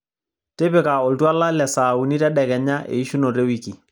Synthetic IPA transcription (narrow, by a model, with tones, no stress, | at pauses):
tɪ˦pɪ˨ka˨ɔ˨ltwa˦la˦lɛ˨sa˨u˨ni˦tɛ˦ɗɛ˨kɛ˨ɲa˦ʔḛ˨i˦ʃu˦no˨ɾe˦wi˨ki˨